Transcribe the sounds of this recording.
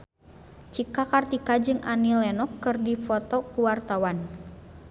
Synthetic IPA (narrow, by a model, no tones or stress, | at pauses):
t͡ʃikakart̪ikad͡ʒɨŋʔanilɛnɔkːɨrdifɔt̪ɔkuwart̪awan